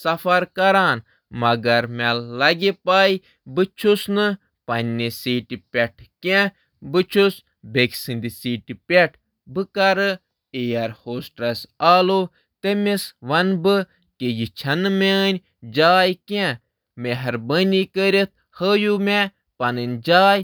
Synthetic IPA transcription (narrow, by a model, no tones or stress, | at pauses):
sɐfʰɐɾkɐɾaːn | mɐɡɐɾmelːɐɡʲepaːji | bɨt͡ʃʰusnɨ | pɐnʲnesiːʈʲipʲeʈʰkẽ | bɨt͡ʃʰus | bekʲsɨnʲd̪isiːʈʲipʲeʈʰ | bɨkɐɾɨ | ejɐɾhoːsʈɾɐsaːlo | t̪emʲesʋɐnbɨ | kejit͡ʃʰɐnɨmʲenʲ | d͡ʒaːjkʲẽ | meɦɐɾbənʲikəɾʲit̪̚ʰ | həːjume | pɐnɨnʲd͡ʒaːj